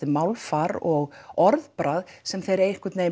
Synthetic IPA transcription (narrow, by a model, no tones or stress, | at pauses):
ɪmaːwlfaɾɔɣɔɾðpɾaðsɛmθejɾɛɾɪhkvɪɾt̪neːj